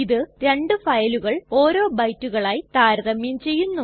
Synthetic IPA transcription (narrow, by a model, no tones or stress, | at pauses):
iðɨɾe̞ɳɖɨfɐjɐluɣɐɭo̞ːɾo̞ːbɐjtːuɣɐɭaːjt̪aːɾɐðɐmjɐmt͡ɕe̞jːunːu